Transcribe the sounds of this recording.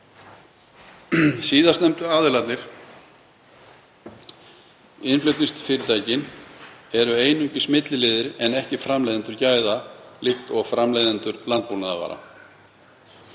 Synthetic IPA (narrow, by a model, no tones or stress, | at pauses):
siːðast̪nɛmt̪ʏaːðʏɾlat̪nɪɾ̥ | ɪnflœt̪nist̪fɪɾɪɾt̪ʰaːjcɪnɛɾʏeːjnʏɲcɪsmɪt̪lɪlɪːðɪɾɛnɛhcɪfɾamlejðɪnt̪ʏɾcaːjðalɪxt̪ɔɣfɾamlejðɪnt̪ʏɾlant̪̚powlnaða̰va̰ːɾa̰